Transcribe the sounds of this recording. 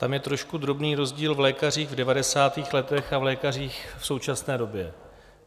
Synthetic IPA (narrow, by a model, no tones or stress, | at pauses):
t̪amjɛt̪ɾo̞ʃkud̪ɾo̞bniːɾo̞zɟiːlvlɛːkar̝iːɣvdɛvadɛsaːt̪iːxlɛt̪ɛxavlɛːkar̝iːxfso̞wt͡ʃasnɛːdo̞bjɛ